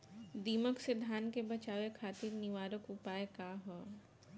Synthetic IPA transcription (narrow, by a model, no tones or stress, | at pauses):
d̪iːməksed̪ʱaːnkebɐt͡ʃaːʋekʰaːt̪iːɾnɪʋaːɾəkʊpaːekaɦo